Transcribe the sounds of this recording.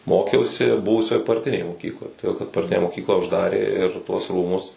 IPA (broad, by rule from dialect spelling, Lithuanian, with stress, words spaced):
ˈmoːkʲɛʊsʲɪ ˈbʊʋʊsʲoːj pɐrʲˈtʲɪnʲeːj moːˈkʲiːklˠoːj toːˈdʲeːlˠ kɐt pɐrʲˈtʲɪnʲæː moːˈkʲiːklˠɑː ʊʒˈdɑːrʲeː ɪr tuɔs ˈruːmʊs